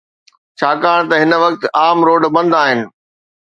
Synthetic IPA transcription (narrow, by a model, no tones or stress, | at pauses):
t͡ɕʰaːkaːɽ̃t̪ɐɦɪnə̆ʋɐkt̪ʔaːmɾoːɖbɐ̃nd̪aːɦɪnɪ̆